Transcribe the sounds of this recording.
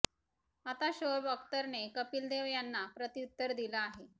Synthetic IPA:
at̪aɕoɾbək̚t̪əɾnekəpiːld̪eʋjanːapɾət̪iut̪ːəɾd̪ilaːɦe

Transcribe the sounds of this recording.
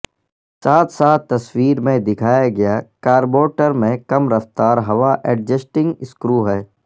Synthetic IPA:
saːt̪ʰsaːt̪ːɐswiːɾmẽd̪ɪkʰaːjaɡɐjaːkaːɾboːʈəɾmẽkɐmɾɐft̪aːɾɦɐʋaʔɛːɖ̚d͡ʒəsʈɪ̃ŋɡɪskɾuːɦɛː

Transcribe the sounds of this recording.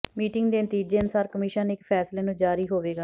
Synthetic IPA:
miːʈɪŋɡd̪eːnət̪iːd͡ʒeːənʊsaːɾkəmɪʃənɪkpʰɛːsleːnũːd͡ʒaːɾiːɦoːʋeːɡaː

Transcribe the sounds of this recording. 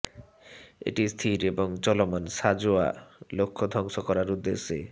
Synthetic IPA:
ḛʈist̪ʰiɾeboŋt͡ɕɔlomanʃad͡ʑua̰lokʰːod̪ʱɔŋʃokɔɾaɾud̪ːeʃːe

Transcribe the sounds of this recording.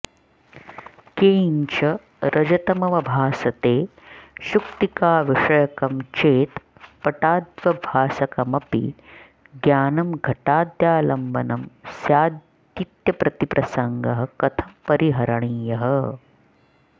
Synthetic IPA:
keːɲt͡ʃɐ | ɾʔɐd͡ʒɐt̪ɐmɐʋɐbʱaːsɐt̪eː | ʃukt̪ikaːʋiʂɐjɐkɐmt͡ʃeːt̪ | pɐʈaːd̪ʋɐbʱaːsɐkɐmɐpḭ | ɡjaːnɐmɡʱɐʈaːd̪jaːlɐmbɐnɐmsjaːd̪ | jit̪jɐpɾɐt̪ipɾʔɐsɐŋɡɐɦɐ̆kɐt̪ʰɐmpɐɾiɦɐɾɐɳiːjɐɦɐ

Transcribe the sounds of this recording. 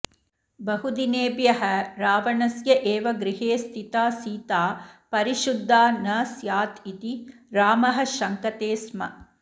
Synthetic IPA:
bɐɦud̪ineːbjɐɦɐɾaːʋɐɳɐsjɐʔeːʋɐɡɾiɦeːst̪ʰit̪aːsiːt̪aːpɐɾiʃud̪ʱːaːnɐsjaːt̪it̪iɾaːmɐɦɐ̆ʃɐŋkɐt̪eːsmɐ̰

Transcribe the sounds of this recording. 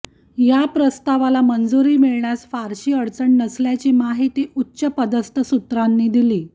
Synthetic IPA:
japɾəst̪aʋalamənd͡zuɾiːmiɭɳjasfaɾɕiːəɽt͡səɳnəsljat͡ɕiːmaɦit̪iːʔutːɕəpəd̪əst̪ʰəsut̪ɾanːiːd̪iliː

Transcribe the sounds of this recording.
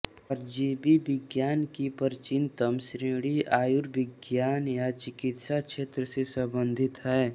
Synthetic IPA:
ɔːɾd͡ʒeːbibɪɡjaːnkipəɾt͡ʃɪnt̪əmsɾeɽiaːjuɾʋɪɡjaːnjat͡ʃɪkɪt̪ʃakʃeːt̪ɾəsesəbə̃nd̪ʱɪt̪ɦɛː

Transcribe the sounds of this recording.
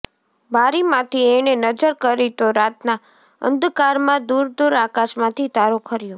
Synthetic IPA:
bʱaɾimãt̪ʰienenəd͡ʒəɾkəɾit̪oɾat̪na | ə̰nd̪kaɾmãd̪uɾd̪uɾakaʃmãt̪ʰit̪aɾokʰəɾjõ

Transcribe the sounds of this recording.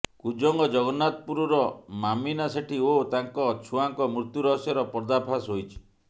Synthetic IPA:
kud͡ʒɔŋɡɔd͡ʒɔɡɔnat̪̚puɾɔɾɔmaminaseʈʰiot̪aŋkɔt͡ʃʰuaŋkɔmɾut̪juɾɔɦɔsjɔɾɔpɔɾd̪apʰasɦojt͡ʃʰi̥

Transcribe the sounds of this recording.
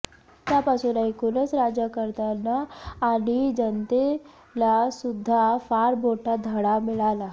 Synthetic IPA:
t̪japasunaekunəsɾad͡ʑjakəɾt̪anaːɽ̃id͡ʑənt̪e | lasud̪ʱːafaɾboʈʰad̪ʱəɽamiɭala

